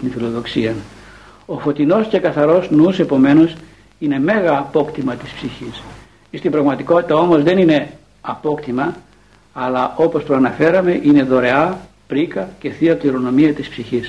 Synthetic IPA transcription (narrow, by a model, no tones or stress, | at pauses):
t̪infilo̞ðo̞ksiɐn | o̞fo̞t̪ino̞sce̞kɐθɐɾo̞znusepo̞me̞nos | ine̞me̞ɣɐːpo̞kt̪imɐt̪i̥spsiçis | ist̪imbɾɐɣmɐt̪iko̞t̪i̥t̪ɐo̞mo̞zðe̞nine̞ | ɐpo̞kt̪imɐ | ɐlɐʔo̞pospɾoɐnɐfe̞ɾɐme̞ʔine̞ðo̞ɾe̞ɐ | pɾikɐce̞θiɐpliɾo̞no̞miɐt̪ispsiçis